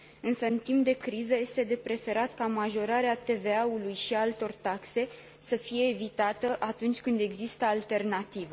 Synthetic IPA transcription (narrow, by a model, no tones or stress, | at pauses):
ɨnsəɨnt̪imp̚d̪e̞kɾizəje̞st̪e̞d̪e̞pɾe̞fe̞ɾat̪kamaʒo̞ɾaɾeat̪e̞ve̞aulujʃiaalt̪o̞rt̪akse̞ | səfije̞ːvit̪at̪əʔat̪unt͡ʃʲkɨnd̪e̞ɡzist̪əalt̪e̞rnat̪ivə